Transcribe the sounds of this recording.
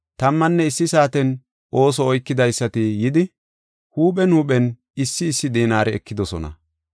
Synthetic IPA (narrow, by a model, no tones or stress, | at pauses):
t̪ɐmːɐnːɛɪsːɪsaːt̪ɛn | ʔo̞ːsɔːjkːɪd̪ɐjsːɐt̪ɪjɪd̪ɪ | huːpɛnuːɓɛn | ɪsːɪːsːɪd̪iːnaːɾɛɛkːɪd̪ɔsɔnɐ̰